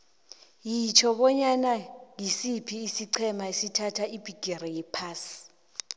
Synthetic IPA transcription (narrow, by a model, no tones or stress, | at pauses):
jit͡ʃʰɔɓɔɲanaŋisipʰiːsiǀʰɛmaesitʰatʰaib̥ʱiɡ̥ʱeɾɛjɛpʰaːsi̥